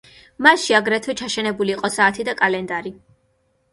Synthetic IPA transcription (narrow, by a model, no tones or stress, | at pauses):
masʃiaɡɾɛt̪ʰwɛt͡ʃʰaʃɛnɛbuliːqʼɔsaːt̪ʰid̪akʼalɛnd̪aɾi